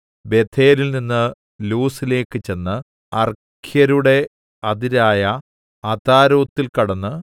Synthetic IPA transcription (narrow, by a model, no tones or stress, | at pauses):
be̞t̪ʰe̞ːlilninːɨ | luːsile̞ːkːɨt͡ɕe̞nːɨ | ɐr | kʰjɐɾuɽe̞ | ɐðiɾaːjɐ | ɐt̪aːɾoːt̪ːilkɐɽɐnːɨ